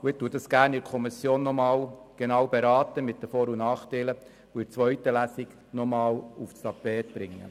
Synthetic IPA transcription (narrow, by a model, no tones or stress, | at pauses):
ʊɪt̪ːuːəd̥ɑsɡ̥æːɾnɪɾkʰɔmisjoːnːɔmɑːlɡ̥enɑːwbeɾɑːtəmɪtdəfoːɾunɑːχtɛlə | ʊɪɾt͡sʋœɥtəlæsiɡ | nɔmɑːlufst̪ɑpɛːt̪b̥ɾɪŋːə̰